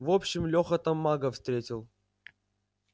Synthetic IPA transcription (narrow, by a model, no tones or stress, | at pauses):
vopɕːɪmlʲoxət̪ɐmːaɡəfst̪ɾʲetʲɪlˠ